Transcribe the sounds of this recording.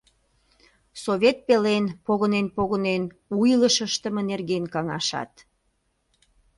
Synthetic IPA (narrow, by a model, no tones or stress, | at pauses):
soβʲet̪̚pelenpoɣənenpoɣənen | ujləʃəʃt̪əmə̆nerɣenkɑŋɑ̰ʃɑ̰t̪